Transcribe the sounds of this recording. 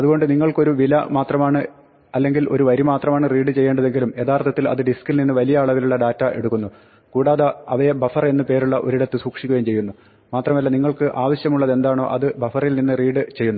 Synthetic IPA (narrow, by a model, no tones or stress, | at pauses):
ɐðuɣo̞ɳɖɨniŋːɐɭko̞ɾuʋilɐmaːt̪rɐmaːɳɨ | ɐlːe̞ŋɡilo̞ɾuʋɐɾimaːt̪rɐmaːɳɨriːɽɨt͡ɕe̞jːeːɳɖɐðe̞ŋɡilume̞t̪aːrt̪ʰɐt̪ːilɐ̰ðɨɖiskːilninːɨʋɐlijɐːɭuɣɐluɭːɐɖaːtːɐʔe̞̰ɽukːunːu | kuːɽaːðɐɐʋɐjebɐfɐre̞nːɨpe̞ːɾuɭːɐʔoɾiɽɐt̪ːɨsuːkʂikʲːuɣɐjmt͡ɕe̞jːunːu | maːt̪rɐmɐlːɐniŋːɐɭkɨʔaːʋɐɕjɐmuɭːɐðe̞nd̪aːɳo̞̰ːʔɐðɨbɐfɐrilninːɨriːɽɨt͡ɕe̞jːunːu